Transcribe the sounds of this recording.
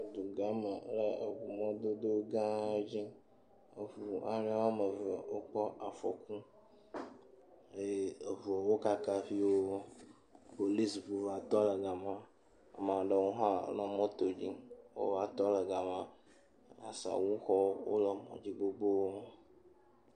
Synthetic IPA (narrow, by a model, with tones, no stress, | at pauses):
d̪u˨ɡa˦mə˨ɖə˦ə˨vu˨mɔ̃˦d̪o˦d̪o˦ɡã˦d͡ʑĩ˦ | ə˨vu˨a̰˦nẽ˦wa˦mə˨vwo˦k͡pɔ˦ʔa˨fɔ˨kũ˦ | e˦˨vu˨ɔ˨wo˦ka˦ka˦fi˦wo˦ | po˨li˦svu˨va˨t̪ɔ˦lə˨ɡa˨mã˦˨ | mã˨ɖə˦wo˦ɦã̰˦lɔ˦mɔ̃˦t̪o˨d͡ʑi˦ŋwo̰˦va˦t̪ɔ˦lə˨ɡa˨mã˦ | a̰˨sa̰˨wũ˦xɔ˦wo˦wo̰˦lə˦mɔ̰̃˨d͡ʑi˦ɡ͡bo˦ɡ͡bo˦wo˦